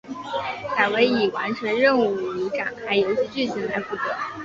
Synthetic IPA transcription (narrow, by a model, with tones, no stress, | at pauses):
ka˨˩we˧˥ɪi˨˩wa˧˥nʈ͡ʂʰə˧˥nɻə˥˧nu˥˩i˧˥ka˨˩˦nxa˧˥ɪjo˧˥ʊɕʰi˧˥t͡ɕy˥˩t͡ɕʰi˧˥nla˧˥ɪpu˥˩t̪ɤ˧˥˦